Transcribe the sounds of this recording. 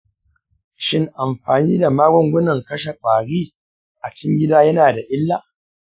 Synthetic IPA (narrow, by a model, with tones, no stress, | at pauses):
ʃɪ˦ŋʔa˨mɸaː˨niː˦da˨maː˦ɡʷɔ˦ŋɡʷʊ˦nɐ˨ŋkɐ˦ʃa˨k͡pʼaː˨ɽiː˦ | ʔa˨t͡ʃɪ˦ŋɡʲɪ˦daː˦jɐ˦naː˨da˨ʔɪ˦lːa˦